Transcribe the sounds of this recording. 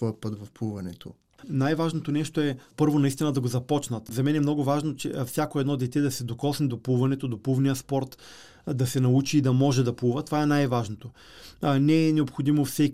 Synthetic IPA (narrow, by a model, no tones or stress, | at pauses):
t̪ɔɛpɤt̪vɐfpˠuvɐnɛt̪ʰo̰ | najvaʒnot̪onɛʃt̪oɛpɤɾvonɐist̪inɐd̪ɐɡozɐpɔt͡ʃnɐt̪zɐmɛnɛmnɔɡʊvaʒnot͡ʃɛ̰fsʲjakoɛd̪nɔd̪ɛt̪ɛd̪ɐsɛd̪okɔsnɛd̪opuvɐnɛt̪od̪oplˠuvniəspɔɾt̪ | d̪ɐsɛnɐut͡ʃiːd̪ɐmɔʒɛd̪ɐpˠuvət̪ovaɛnajvaʒnot̪o | nɛːnɛopxod̪imofsɛk